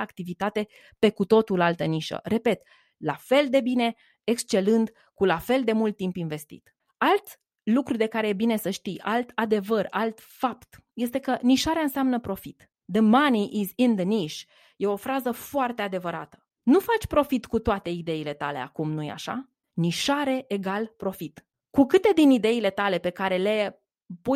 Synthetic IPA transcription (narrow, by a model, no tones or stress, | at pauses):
akt̪ivit̪at̪e̞ | pe̞kut̪o̞t̪ulalt̪əniʃə̰re̞pe̞t̪ | lafe̞ld̪e̞bine̞ | ekst͡ʃe̞lɨnd̪ | kulafe̞ld̪e̞mult̪ːimpinve̞st̪ḭt̪ | alt̪ | lukɾud̪e̞kaɾe̞jebine̞səʃt̪ijʔalt̪ad̪e̞vəralt̪ | fapt̪ | je̞st̪e̞kəniʃaɾeaɨnseamnəpɾo̞fit̪ | d̪əmaniʔizind̪əniʃ | je̞o̞fɾazəfoart̪e̞ad̪e̞vəɾa̰t̪ə̥ | nufat͡ʃʲpɾo̞fit̪kut̪oat̪e̞id̪e̞ile̞t̪a̰le̞̰a̰kumnujḛa̰ʃa̰ | niʃaɾe̞ʔeɡalpɾo̞fit̪ | kukɨt̪e̞d̪inid̪e̞ile̞t̪ale̞pe̞kaɾe̞le̞ | pu